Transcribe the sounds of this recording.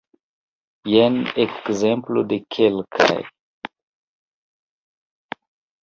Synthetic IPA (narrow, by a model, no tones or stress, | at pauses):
jɛnɛkzɛ̃mpldekʰelkʰa̰j